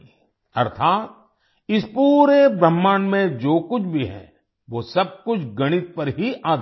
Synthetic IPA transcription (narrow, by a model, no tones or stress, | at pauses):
ɐ̰ɾt̪ʰaːt̪̚ | ɪspuːɾebɾəmːaːnmẽd͡ʒoːkʊt͡ʃʰbʱiɦɛ̰̃ | ʋosɐb̚kʊt͡ʃʰɡɐɽ̃ɪt̪̚pɐɾɦiʔaːd̪ʱ